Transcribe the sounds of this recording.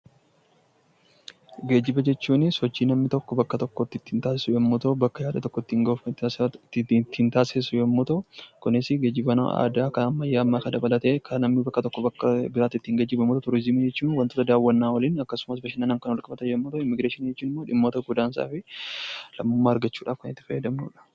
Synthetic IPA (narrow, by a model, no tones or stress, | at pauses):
ɡeːd͡ʒːɪbɐd͡ʒɛt͡ʃːuːnɪsɔt͡ʃːiːnɐmnɪt̪ɔkːɔbɐkːɐt̪ɔkːot̪ːɪt̪ːɪnt̪aːsɪsʊjɛmːʊt̪obɐkːɐjaːᶑɐt̪ɔkːɔɪt̪ːɪŋɡ̪ | t̪ːɪɪnt̪aːseːsʊjɛmːɔt̪ɐkʊnɪsɪɡe̞ːd͡ʒːɪbɐna̰ʔa̰ːd̪aːkɐɐmːɐjːaːɐmːaːkɐd̪ɐbɐlɐt̪eːkʰɐnɐmɪbɐkːɐt̪ɔkːɔbɐkːɐbɪɾaːt̪ɪt̪ːɪhŋɡɐd͡ʒːɪbɐmɔːt̪ot̪ʊɾɪzɪmɪd͡ʒɛt͡ʃːuːnwɐnt̪oːt̪ɐd̪aːwːɐnːaːwɐliːnɐkːɐsʊmɐsbɐʃɪnːɐnɐŋkɐnwɔlkʼɐbɐt̪ɐjɛmːɔt̪oɪmːɪɡɾeːʃɪnid͡ʒɛt͡ʃːuːnɪmːo̞ːᶑɪmːo̞ːt̪ɐɡʊd̪aːns̬a̰ːfɪ | lɐmːoːmːaːɐɾɡɐt͡ʃːuːᶑa̰ːfkɐnɪt̪ːɪfɐjɐd̪ɐmnṵːᶑɐ̥